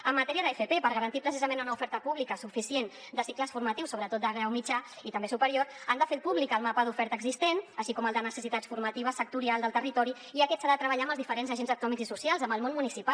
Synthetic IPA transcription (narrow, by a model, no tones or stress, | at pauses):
əmːət̪ɛɾiəðəefepepəɾɣəɾənt̪ipɾəsizəmenunəufɛɾt̪əpuβlikəsufisien | d̪əsikləsfuɾmət̪iwsːoβɾət̪ot̪d̪əɣɾawmid͡ʒa | it̪əmbesupəɾioɾand̪əfeɾpuβlikəlˠmapəðufɛɾt̪əɡzist̪enəʃikɔməlˠd̪ənəsəsit̪asfuɾmət̪iβəsək̚t̪uɾialˠd̪əlˠt̪ərit̪ɔɾi | iəkɛt̪saðət̪ɾəβəʎaəmbəlzðifəɾenzəʒenzəkt̪unɔmikzisusialˠzəmbəlˠmonmunisipal